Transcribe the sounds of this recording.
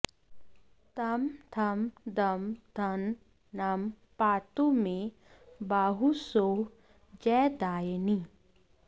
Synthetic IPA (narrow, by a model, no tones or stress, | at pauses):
t̪ɐmt̪ʰɐmd̪ɐmd̪ʱʰɐnː | am | paːt̪umẽ | baːɦusoː | d͡ʒɛːd̪aːjni